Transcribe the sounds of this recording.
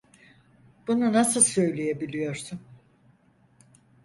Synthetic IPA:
b̥ununasɯlˠsø̞jlʲeje̞bilʲijo̞ɾsun

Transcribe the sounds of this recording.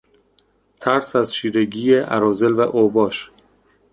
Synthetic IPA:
t̪ʰæɾsæzʃiːɾeɟiːjeʔæ̰ɾɒːzelvæʔobɒːʃ

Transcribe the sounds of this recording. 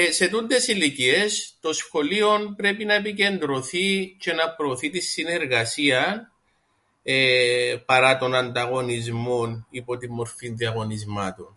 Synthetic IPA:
ese̞t̪und̪e̞silicie̞st̪o̞sxo̞lio̞npɾe̞pinɐepice̞nd̪ɾo̞θice̞nɐpɾo̞ːθit̪isːine̞ɾɣɐsiɐn | epɐɾɐt̪o̞nɐnd̪ɐɣo̞nizmo̞nipo̞t̪imːo̞ɾfinðiɐɣo̞nizmɐt̪un

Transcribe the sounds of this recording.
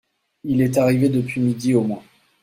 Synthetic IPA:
ilɛt̪aʁived̪əpɥimid̪iomwɛ̃

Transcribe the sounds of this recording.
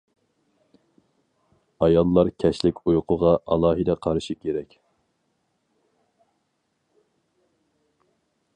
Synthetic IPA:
ɑjɑlˠːɑɾkʲʰɛʃlɪkʲʰujʊqʰʊʁɑʔɑ̰lˠɑːɦɨd̪ɛqʰɑɾʃikʲʰeɾɛkʲ

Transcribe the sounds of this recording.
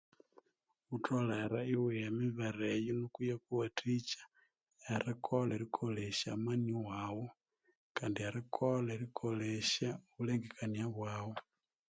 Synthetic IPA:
utʰolaaɾaiweamiβaɾejonukujakuwatʰit͡ʃḁ | aɾikʰoleɾikʰoleʃamaniwaːwo | kaːndiaɾikʰoleɾikʰoleʃaoβuleŋɡekʰaniaβwaːwo

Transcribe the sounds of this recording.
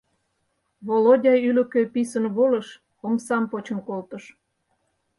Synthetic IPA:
βolodʲɑjylə̆køpisənβoləʃ | omsɑmpot͡ɕə̆nkolt̪əʃ

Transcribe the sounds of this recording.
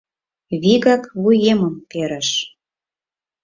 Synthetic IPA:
βiɣɑkβujeməmpeɾə̆ʃ

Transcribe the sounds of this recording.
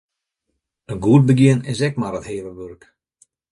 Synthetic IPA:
ənɡuət̚bəɡjɪənɪsɛk̚marətheːʋəʋørk

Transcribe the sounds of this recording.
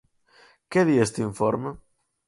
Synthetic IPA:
keðiest̪iɱfoɾmə

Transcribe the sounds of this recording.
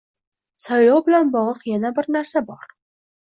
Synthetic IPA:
sajlɒwbɪlanbɒʁlˠəqjanabɪɾnaɾsabɒɾ

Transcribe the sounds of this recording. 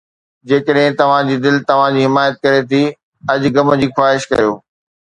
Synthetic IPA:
d͡ʑeːkəɗɦɪ̃t̪ɐʋ̤ãd͡ʑiːd̪ɪlt̪ɐʋ̤ãd͡ʑiːɦɪmaːjət̪̚kɐɾet̪ʰi | ɐd͡ʑɡɐmə̆d͡ʑiːxaːɦɪʃkɐ̰ɾjoː

